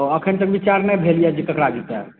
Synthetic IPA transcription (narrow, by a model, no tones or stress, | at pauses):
oəkʰənt̪əkbit͡ʃaɾnɛbʱelijɛd͡ʒik̪əkɾad͡ʒit̪a